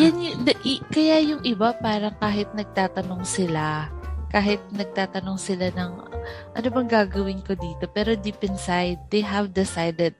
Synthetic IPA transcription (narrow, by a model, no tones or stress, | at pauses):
janjʊŋd̪ɐʔikɐjajʊŋʔɪbapaːɾɐŋkaːɦɪt̪̚nɐɡ̚t̪aːt̪ɐno̞ŋsɪlakaːɦɪt̪̚nɐɡ̚t̪aːt̪ɐnoŋsɪlanɐŋ | ʔɐ̰nobɐŋɡaːɡɐwɪnkod̪iːt̪o̞pɛːɾo̞d̪ipɛnsajd̪̚ːɛjɦɐvd̪ɪsajd̪ɛd̪̚